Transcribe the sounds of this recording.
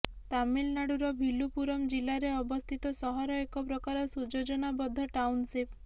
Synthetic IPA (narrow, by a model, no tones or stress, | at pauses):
t̪amilnaɽuɾɔbʱilupuɾɔmd͡ʒilaɾeɔbɔst̪ʰit̪ɔsɔɦɔɾɔekɔpɾɔkaɾɔsud͡ʒod͡ʒɔnabɔd̪ʱːɔʈawnsip